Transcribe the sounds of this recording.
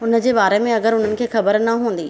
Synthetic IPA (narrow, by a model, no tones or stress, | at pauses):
ʊnə̆d͡ʑeːbaːɾemẽɐɡəɾʊn̤ənɪ̆kʰeːxɐbəɾnɐɦũːnd̪iː